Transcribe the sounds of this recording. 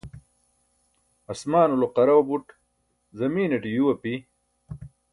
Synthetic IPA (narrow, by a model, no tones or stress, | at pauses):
ɐsmaːnuloqɐɾɐwɐbuʈ | zɐmiːneʈijuwɐpi